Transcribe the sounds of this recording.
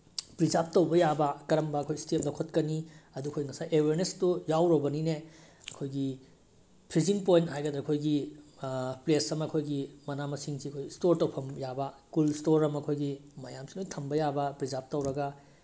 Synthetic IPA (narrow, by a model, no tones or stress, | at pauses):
pɾizap̚tɐwbɐjabɐkɐɾɐmbɐɐkʰojstep̚lɐwkʰɐtkɐniɐdukʰojŋɐsajʔeweɾnestujawɾɐbɐnine | ɐkʰojɡi | pʰɾiziŋpojntɦajɡɐd̪ɾɐkʰojɡi | plesɐmɐkʰojɡimɐnamɐsiŋsiɐkʰojstoɾtowpʰɐmjabɐkulstoɾɐmɐkʰojɡimɐjamsilojtʰɐmbɐjabɐpɾid͡ʒap̚tɐwɾɐɡɐ